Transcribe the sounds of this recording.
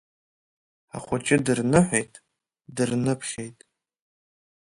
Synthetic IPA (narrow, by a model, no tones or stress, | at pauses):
a̰χʷʊt͡ʃʼɪdɨrnɨħʷejtʼ | dɨrnɨpʰχʲejtʼ